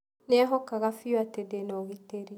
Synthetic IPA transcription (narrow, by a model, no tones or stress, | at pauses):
nɛɛɦɔkaɣafiwatɛdenɔɣiteɾi